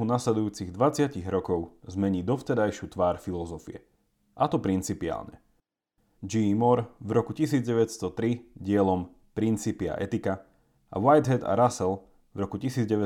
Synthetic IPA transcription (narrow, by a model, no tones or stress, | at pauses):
unaslɛd̪ujuːt͡siɣd̪ʋat͡sɪaciɣɾɔkɔʊzmɛɲiːd̪ɔft̪ɛɾajʃɪut̪ʋaːɾfilɔzɔfḭɛ̰ | ʔat̪ɔpɾint͡sipia̰ːlɲɛ | d͡ʒimɔɾvɾɔkucisiːd͡zɟɛʋɛcst̪ɔt̪ɾiɟɪɛlɔm | pɾint͡sipia̰ʔɛt̪ika | ʔa̰wajd̪ɦɛt̪a̰ɾasɛl | vɾɔkucisiːd͡zɟɛʋɛ